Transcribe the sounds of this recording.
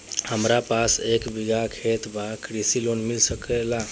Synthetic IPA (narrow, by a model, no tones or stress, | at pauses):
həmɾapasekbiɡʱakʰet̪bakɾisilonmilsəkela